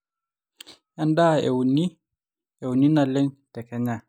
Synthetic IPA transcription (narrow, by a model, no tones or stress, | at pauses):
ʔandaɛ̰wni | ɛwuninalɛntɛkɛɲa